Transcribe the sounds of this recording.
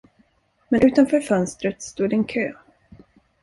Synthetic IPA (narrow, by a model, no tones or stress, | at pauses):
mɛnʔʉ̟ːt̪anfœːɾfœnst̪ɾət̪st̪uːd̪ɛnkʰøː